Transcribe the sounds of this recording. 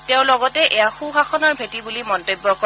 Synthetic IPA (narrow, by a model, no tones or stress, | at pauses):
teʊ̃lɔɡɔtɛʔejaxuxaxɔnɔɹbʱetibulimɔntojbːɔkɔ